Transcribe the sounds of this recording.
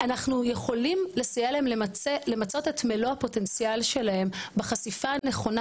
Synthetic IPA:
anaχnuje̞χo̞limle̞sajelaemlele̞mat͡so̞tetmelohapo̞te̞nt͡sijalʃe̞lahe̞mbeχasifaneχo̞na

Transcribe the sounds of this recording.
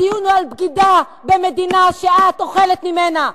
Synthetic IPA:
ijunualbɡid̪a | bemed̪inaʃeʔat̪oχelet̪mimena

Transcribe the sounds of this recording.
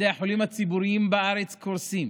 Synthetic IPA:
eaħolimat͡sibuɾijimbeʔaɾet͡skoɾsim

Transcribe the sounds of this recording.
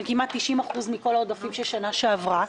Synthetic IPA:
kimat̪ːiʃimaχuzmiko̞laod̪afimʃeʃanaʃeavʁa

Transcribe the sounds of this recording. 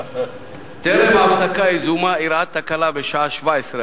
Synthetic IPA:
t̪eɾemaːwsɐkaizumaiɾaːt̪̚ːɐkɐlabeʃaːʃʋajsɾɐ

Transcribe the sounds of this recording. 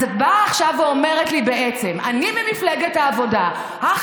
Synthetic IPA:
ot̚baːχʃaveo̞me̞ʁetlibe̞ʔet͡se̞mʔanimemifleɡethaːvo̞da | ha

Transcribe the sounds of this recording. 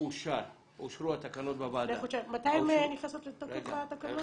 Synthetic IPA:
uʃaɾ | uʃɾuat̪akanot̪̚babadleχut͡ʃalmat̪ajmeniχnasot̪let̪okefat̪akano

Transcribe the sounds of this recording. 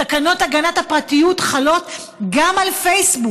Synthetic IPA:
akano̞taɡanathapʁatijutχalo̞t | ɡamalfejsbu

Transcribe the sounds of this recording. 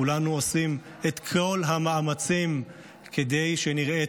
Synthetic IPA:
ulanuosim | et̪kʰo̞lɦamaːmat͡sim | kʰed̪ejʃeniʁe

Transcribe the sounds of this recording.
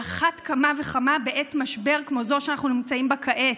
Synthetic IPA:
aχatkamave̞χamabeʔetmaʃbe̞ʁkmo̞zo̞ʃeanaχnunimt͡saimbakʰaʔe

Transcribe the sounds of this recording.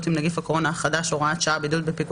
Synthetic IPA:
t̪imnaɡifhakkoʁo̞naχad̪aʃoʁaat̪ʃaabid̪ut̪̚bepik

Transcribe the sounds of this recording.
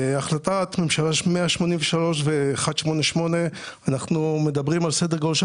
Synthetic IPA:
aχlat̪at̪me̞mʃalaʃmeaʃmo̞nimveʃalo̞ʃ̬veːχad̪ʃmo̞ne̞ʃmo̞ne̞ | anaχnume̞d̪abʁimalsed̪eʁɡolʃ

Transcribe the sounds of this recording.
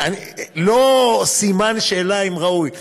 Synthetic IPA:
anilosimanʃeːlaimʁauj

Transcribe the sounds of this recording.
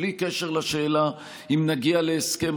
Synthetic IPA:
likeʃe̞ʁlaʃeːla | imnaɡialeːskem

